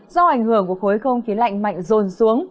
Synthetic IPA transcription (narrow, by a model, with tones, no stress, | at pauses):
zɔ˧ʔa˧˩jŋ̟hɨ˧˩əŋku˧˩əxo˨˦xə˧wŋ͡mxi˨˦la̰˧˨jŋ̟ma̰˧˨jŋ̟zo˨˩nsu˨˦əŋ